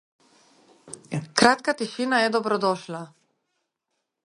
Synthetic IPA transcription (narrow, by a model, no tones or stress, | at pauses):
kɾat̪kat̪iʃinaɛd̪ɔbɾɔd̪ɔʃla